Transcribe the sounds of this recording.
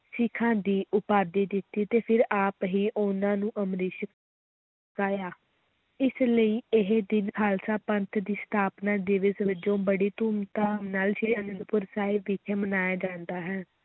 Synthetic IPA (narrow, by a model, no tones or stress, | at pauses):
sɪkʰːãːd̪iːʔʊpaːd̪iːd̪ɪt̪ːiːt̪eːpʰɪɾaːpɦiːʔʊnãːnũːʔəmɾɪːʃə | kaːjaː | ɪsləiːɪɦed̪ɪnkʰaːlsaːpənt̪ʰd̪iːst̪ʰaːpnaːd̪ɪʋəsʋɪd͡ʒõːbəɽiːt̪uːmt̪aːnaːlʃeːənənpʊɾsaːiʋɪt̪ʰeːmənaːjaːd͡ʒãːnd̪aːɦɛː